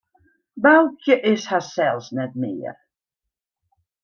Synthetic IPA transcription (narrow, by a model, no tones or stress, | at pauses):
balˠkʰjəʔɪshasɛlˠsnɛt̚mɪ̰ːər